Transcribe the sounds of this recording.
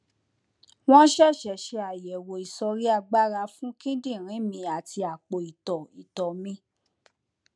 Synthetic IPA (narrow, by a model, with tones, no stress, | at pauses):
w̃ɔ̃˦ʃɛ˦˨ʃɛ˨ʃe˧˦a˨jɛ˨wo˨i˨sɔ˧ɾi˦a˧ɡ͡ba˦ɾa˧fũ˦kĩ˦dĩ˦˨ɾ̃ĩ˨˦mĩ˧a˨ti˧a˨k͡po˨i˨tɔ˨i˨tɔ˨mĩ˧˦